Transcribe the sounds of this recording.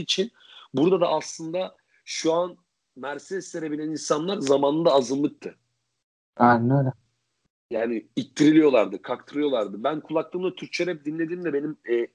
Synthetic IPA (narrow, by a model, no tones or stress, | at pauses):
it͡ʃʰin | buɾd̪ad̪aʔːslˠɯnd̪a | ʃuan | mæɾsɛsseɾe̞bilʲæninsanlˠaɾzamaːnɯnd̪aːzɯnlˠɯk̚t̪ʰɯ | ɛnøɾɛ | jaːniit̚t̪ʰːiɾilʲijo̞lˠaɾd̪ɯkʰak̚t̪ʰɯɾɯjo̞lˠaɾd̪ɯbænkʰulˠaklˠɯːmlˠat̪ʰyɾt͡ʃʰeɾɛp̚d̪inlʲe̞d̪iːmd̪ɛbe̞nimɛ